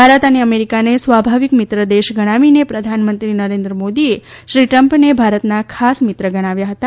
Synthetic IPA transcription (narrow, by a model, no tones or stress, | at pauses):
bʱaɾət̪əneəmeɾikanesʋabʱaʋikmɪt̪ɾəd̪eʃɡəɽ̃aʋinepɾəd̪ʱanmənt̪ɾinəɾẽnd̪ɾəmod̪ie | ʃɾiʈɾəmpnebʱaɾət̪nakʰasmɪt̪ɾəɡəɽ̃aʋjaɦət̪a